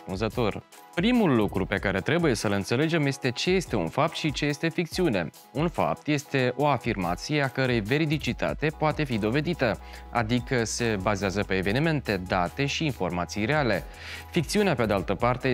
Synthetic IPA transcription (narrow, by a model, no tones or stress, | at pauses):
spunzət̪o̞r | pɾimulːukɾupe̞kaɾe̞t̪ɾe̞buje̞səlɨnt̪se̞le̞d͡ʒe̞mje̞st̪e̞t͡ʃe̞je̞st̪e̞ṵnfap̚t̪ʃit͡ʃe̞je̞st̪e̞fik̚t̪siune̞̰ | unfa̰p̚t̪je̞st̪e̞ʔo̞afirma̰t̪sijeakəɾejve̞ɾid̪it͡ʃit̪a̰t̪e̞poat̪e̞fid̪o̞ve̞d̪it̪əa̰d̪ikəse̞bazeazəpe̞ːve̞nime̞nt̪e̞d̪at̪e̞ʃiːnfo̞rmat̪sijre̞ale̞ | fik̚t̪siuneaped̪ealt̪əpart̪e̞